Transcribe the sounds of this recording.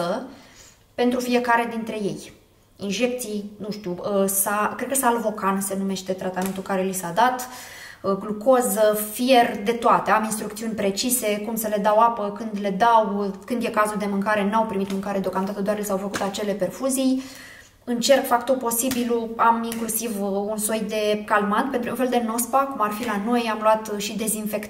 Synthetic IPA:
ə | pe̞nt̪ɾufie̞kaɾed̪int̪ɾe̞je̞j | inʒe̞k̚t̪sijnuʃt̪ʲjuəsakɾed̪kəsaːlvo̞kanse̞nume̞ʃt̪e̞t̪ɾat̪ame̞nt̪ulkaɾe̞lisad̪at̪ | ɡlukozəfije̞rd̪e̞t̪oat̪eaminst̪ɾukt̪siunʲpɾe̞t͡ʃise̞kumsəle̞d̪awapəkɨnd̪le̞d̪awkɨnd̪je̞kazuld̪e̞mɨŋkaɾe̞nawpɾimit̪mɨŋkaɾe̞d̪eokamd̪at̪əd̪oarlisawfəkut̪at͡ʃe̞le̞pe̞rfuzij | ɨnt͡ʃe̞rkfak̚t̪ulpo̞sibiluamiŋklusivunso̞jd̪e̞kalmat̪̚pent̪ɾuũnfeld̪e̞no̞spakumarfilano̞jamluat̪ʃid̪e̞zinfe̞kt̪

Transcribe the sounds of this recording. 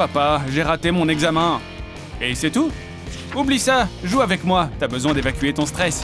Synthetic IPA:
papaʒeʁat̪emɔ̃nɛɡzamɛ̃ | esɛt̪u | ublisaʒuavɛkmwat̪yabəzwɛ̃d̪evakʲyet̪ɔ̃st̪χɛs

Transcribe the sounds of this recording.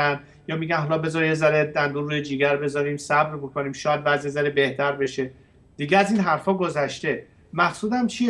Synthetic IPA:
æn | jɒːmiːɡænɦɒlɒːbe̞zɒɾiezæɾed̪ænd̪uːnɾujed͡ʒiːɡæɾbe̞zɒɾiːmsæbɾbokoniːmʃɒːjæd̪̚væːzijezæɾebe̞ht̪ʰæɾbe̞ʃe | d̪̥iɡʲeæziːnɦæɾfɒːɡo̞zæʃt̪e̞ | mæxsuːd̪æmt͡ʃʰie

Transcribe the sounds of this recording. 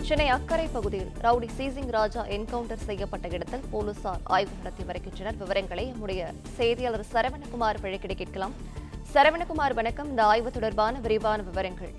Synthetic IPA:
t͡ʃɛnːɐɪɐkːɐɾɐɪpːɐɣɯðɪjɪlɾɐʋɽisiːs̬ɪŋɡɾaːd͡ʒaːʔɛnkɐʋʊɳʈɐɾsɛjːɐpːɐʈːɐɪɽɐt̪ːɪlpoːlusaːɾa̰ːjʋɯmɐɾɐt̪ːiʋɐɾɐkːɪnrɐnɐɾʋɪʋɐɾɐŋɡɐɭɐɪɐmːɯɽɐjɐ | sɛjðɪjɐlɐɾsɐɾɐʋɐɳɐkʊmaːɾpɐɻɐkːɪɽɐɪkːɪʈ̚kɐlaːm | sɐɾɐʋɐɳɐkʊmaːɾʋɐnɐkːɐmɪnd̪ɐaːjʋɐt̪ːɔɽɐɾbaːnɐʋɪɾɪʋaːnɐʋɪʋɐɾɐŋɡɐɭ

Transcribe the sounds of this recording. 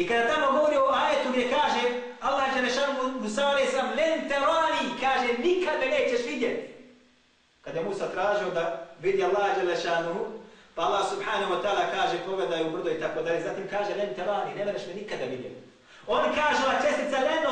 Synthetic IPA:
ikad̪at̪amo̞ɡo̞ʋoɾiouaːje̞t̪uɡd̪ʲjekaːʒe | alːahd͡ʒelːeʃaːnuɦumusaːalejsamlent̪elaːnikaːʒenikad̪mene̞ːt͡ɕe̞ʃʋid̪jet̪i̥ | kad̪jemuːsat̪ɾaːʒiod̪aʋid̪ialːaːhd͡ʒelːeʃaːnuɦupaalˠːahsubħaːnahuat̪aːlakaːʒepoɡled̪ajeubr̩zoit̪akod̪alʎezaːt̪iːmkaːʒelent̪elaːniːnemoɾeʃmenikad̪aʋid̪jet̪i | onkaːʒelˠat͡ʃe̞st̪it̪saleno

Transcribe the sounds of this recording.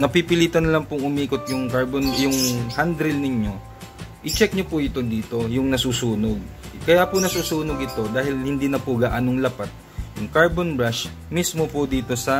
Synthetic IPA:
nɐpipɪliːt̪ɐnɐlaŋpʊŋʊmiːkot̪̚jʊŋkaɹbonjʊŋhand̪ɾɪlnɪɲo̞ | ʔɪt͡ʃɛk̚ɲopʊʔɪt̪od̪iːt̪o̞jʊŋnɐsuːsuːnoɡ̚kɐjapʊnɐsuːsuːnoɡɪt̪o̞d̪aːhɪlhɪnd̪iːnɐpʊɡaːʔɐnoŋlɐpat̪̚ | jʊŋkaɹbonbɹaʃ | mismopʊd̪iːt̪o̞sɐ

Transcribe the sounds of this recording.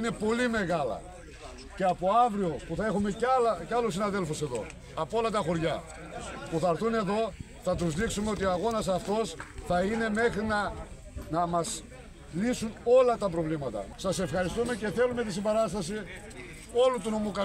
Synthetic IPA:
ne̞po̞lime̞ɣɐlɐ̰ | ceɐpo̞ɐvɾio̞puθɐe̞xumecɐlɐceɐlusːinɐðe̞lfuse̞ðo̞̰ | ɐpoolɐt̪ɐxo̞ɾʝɐ | puθɐɾθune̞ðo̞ | θɐt̪̬uzðiksumeo̞t̪ioɐɣo̞nɐsɐft̪o̞sθɐine̞me̞xɾinɐ | nɐmɐs | lisuno̞lɐt̪ɐp̬ɾo̞vlimɐt̪ɐ̰sɐse̞fxɐɾist̪ume̞ce̞θe̞lume̞t̪̬isimbɐɾɐst̪ɐsi | o̞lut̪uno̞mukɐ

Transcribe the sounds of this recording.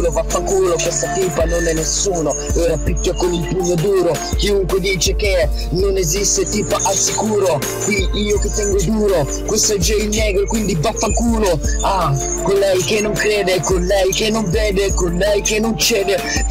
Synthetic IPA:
lovafːaŋkuːlokwest̪at̪iːpanonɛnːesuːnoɛːɾapik̪ːakomumpuɲːod̪uːɾo | k̟iuŋkwed̪iːt͡ʃeke | nonezist̪et̪iːpaʔasːikuːɾo | kwi | iːoket̪ːɛŋɡod̪uːɾo | kwest̪ad͡ʒɛjnːɛːɡɾokwind̪ibafːaŋkuːloa | kolːɛjk̟enːoŋkɾɛːd̪ekolːɛjkenːoɱvɛːd̪ekollɛjkenːont͡ʃɛːd̪e

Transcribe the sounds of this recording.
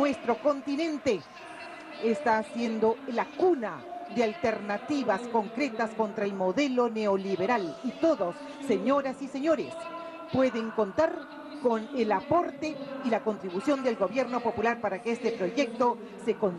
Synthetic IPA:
nwe̞st̪ɾo̞ko̞nt̪inẽ̞nt̪e̞ː | st̪asje̞nd̪o̞lakunaðealt̪e̞ɾnat̪iβasko̞ŋkɾe̞t̪asko̞nt̪ɾaelmo̞ðe̞lo̞ne̞oliβe̞ɾalit̪o̞ðo̞sːe̞ɲo̞ɾasise̞ɲo̞ɾe̞s | pwe̞ðe̞ŋko̞nt̪aɾ | ko̞ne̞lapo̞ɾt̪e̞ilako̞nt̪ɾiβusjo̞nd̪e̞lɡo̞βje̞ɾno̞po̞pulaɾpaɾakeest̪e̞pɾo̞ʝe̞k̚t̪o̞ | se̞ko̞n

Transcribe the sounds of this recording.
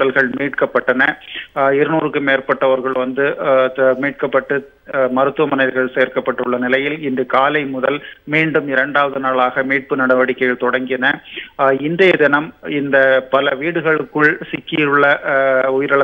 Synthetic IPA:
ɐlɣɐɭmiːʈkɐpːɐʈːɐnɐɪɾɯnuːɾɯkːɯmeːrpɐʈːɐʋɐɾɣɐɭʋɐnd̪ɯmiːʈ̚kɐpːɐʈːɯ | mɐɾɯt̪ːɯʋɐmɐnɐɪɾɣɐɭsɛejːɾkɐpːɐʈːɯɭːɐnɪlɐjɪlɪndɯkaːlɐɪmʊðɐlmiːɳɖɯmɪɾɐɳɖaːʋɐðɯnaːɭaːɣɐmiːʈ̚pɯnɐɽɐʋɐɽɪkːɐjɪlt̪ɔɽɐŋɡɪnɐ | ɪnd̪ɐjɐd̪ɪnɐmɪnd̪ɐpɐlɐʋiːɽɯɣɐɭɯkːɯɭsɪkːɪjɾɯɭːɐʊjɪɾɐɭɐ

